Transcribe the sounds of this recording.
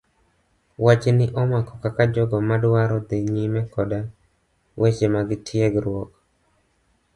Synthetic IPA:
wat͡ʃnɪʔɔmakɔ̥kakad͡ʒɔɡɔmadwaɾɔd̪eɲimɛkɔda | wʔet͡ʃemaɡɪtʰɪjeɡɾwɔk

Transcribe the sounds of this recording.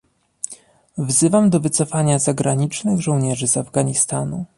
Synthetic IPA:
vzɘvamd̪ɔvɘt̪sɔfaɲazaɡɾaɲit͡ʂnɘɣʐɔ̃w̃ɲɛʐɘzavɡaɲist̪anṵ

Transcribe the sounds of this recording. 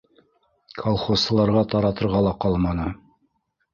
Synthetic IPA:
kʰɐlˠχosːɤ̆lˠɑɾʁɑt̪ɑɾɑt̪ɤ̆ɾʁɑlˠɑqɑlˠmɑnɤ

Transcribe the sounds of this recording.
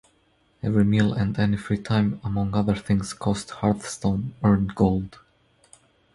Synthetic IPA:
ɛvɹimilˠæ̃ndɛnifɹitʰãɪ̃məmʌ̃ŋʌðə˞θɪ̃ŋz̥kʰɔsthɑɹθstõʊ̃nɜ˞nɡoʊlˠd̥

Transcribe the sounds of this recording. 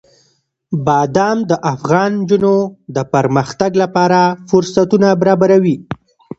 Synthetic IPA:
bɑd̪ɑmd̪əʔafɣɑnd͡ʒunod̪əpəɾməxt̪aɡlapɑɾafʊɾsat̪unabaɾɑbaɾawi

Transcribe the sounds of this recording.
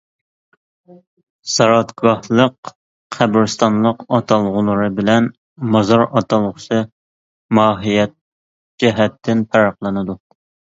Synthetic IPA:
sɑɾɑt̪ɡɑhlˠəq | qʰæbɾɨst̪ɑnlˠəqɑt̪ʰɑlˠʁʊlˠəɾɨbɪlɛn | mɑzɑɾɑt̪ʰɑlˠʁʊsʰɨ | mɑːɦijɛt̪̚ | d͡ʒɛɦɛt̪ʰːɪnpʰæɾɑqlˠɨnɨd̪u

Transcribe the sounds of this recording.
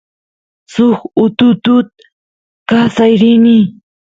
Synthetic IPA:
sʊxʊt̪ʊt̪ʊt̪̚ | kasajɾɪni

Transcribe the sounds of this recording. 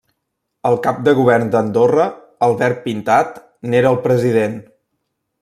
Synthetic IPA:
əlˠkap̚d̪əɣ̞uβɛrnd̪ənd̪orə | əlˠβɛrt̪̚pint̪at̪ | neɾəːlˠpɾəziðen

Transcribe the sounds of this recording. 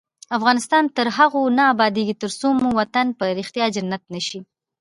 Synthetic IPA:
afɣɑnɪst̪ɑnt̪əɾɦaɣonaːbɑd̪eɡit̪əɾsomowat̪anpəɾɪxt̪jɑd͡ʒanːat̪̚nəʃi

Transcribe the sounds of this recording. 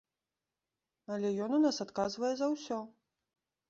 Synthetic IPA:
ɐlʲɛjɔnunasat̪kazvɐjɛzɐwsʲɔ

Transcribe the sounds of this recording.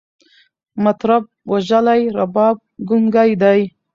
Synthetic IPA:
mat̪ɾab̚waʒalajɾabɑb̚ɡʊŋɡajd̪aj

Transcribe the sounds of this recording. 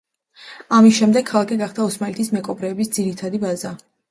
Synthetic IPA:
amisʃɛmd̪ɛkʰːalˠakʰɛɡaχd̪aɔsmalɛt̪ʰismɛkʼɔbɾɛːbisd̪ziɾit̪ʰad̪ibaza

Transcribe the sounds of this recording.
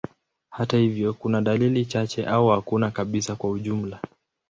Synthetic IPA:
hatahivjɔkunaɗalilit͡ʃat͡ʃɛʔauhakunakaɓisakwauʄum̩la

